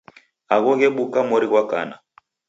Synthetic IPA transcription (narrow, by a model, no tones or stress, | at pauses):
aɣɔɣɛɓukamɔɾiɣwaka̰na